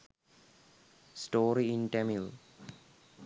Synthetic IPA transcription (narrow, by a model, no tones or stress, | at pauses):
sʈoːɾiĩnʈemil